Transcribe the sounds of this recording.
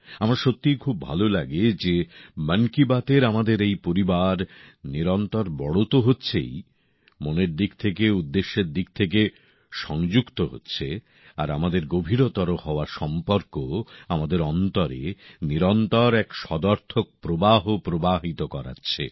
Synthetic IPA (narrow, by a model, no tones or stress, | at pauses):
amaɾʃot̪ːijkʰub̚ːʱa̰lolaɡed͡ʑeməŋkibat̪eɾamad̪eɾejpoɾibaɾniɾɔnt̪ɔɾbɔɽot̪oɦotːɕʰḛj | moneɾd̪ik̚t̪ʰek̬eud̪ːeʃːeɾd̪ik̚t̪ʰek̬e | ʃɔŋd͡ʑukt̪oɦo̰tːɕʰe | a̰ɾamad̪eɾɡobʱiɾot̪ɔɾohɔoaɾʃɔmpoɾkoamad̪eɾɔnt̪ɔɾḛniɾɔnt̪ɔɾɛkʃɔd̪ɔɾt̪ʰok̚pɾobaɦopɾobaɦit̪okɔɾa̰tːɕʰḛ